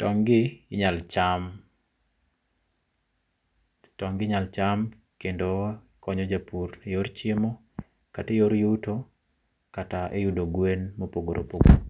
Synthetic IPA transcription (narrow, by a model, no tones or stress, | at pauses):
tɔŋɡɪɲalt͡ʃam | tɔŋɡɪɲalt͡ʃam | kendo | kɔɲɔd͡ʒapurejoɾt͡ʃemo | katejoɾjuto | kataʔejudoɡwenmopoɡoɾo̰poɡo̰